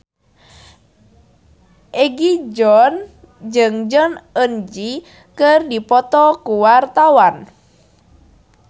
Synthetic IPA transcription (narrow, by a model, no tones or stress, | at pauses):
ʔɛɡid͡ʒɔn | d͡ʒɨŋd͡ʒɔnənd͡ʒi | kɨrdipɔt̪ɔkuwart̪awan